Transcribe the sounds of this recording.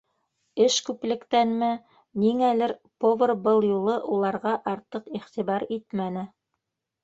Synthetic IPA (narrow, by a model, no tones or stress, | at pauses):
ɘʃkʉplɘ̆kt̪ænmɘ | niŋælɘɾpovɤrbɤlˠjulˠɤʔulˠɑɾʁɑʔɑɾt̪ɤqiχt̪iβɑɾit̪mænɘ